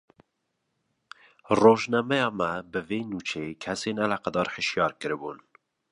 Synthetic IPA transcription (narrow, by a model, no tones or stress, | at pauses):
roːʒnɛmɛjɑːmɛbɨveːnuːt͡ʃʰeːkʰɛseːnɛlæqæd̪ɑːɾhəʃjɑːɾkɨɾbṵːn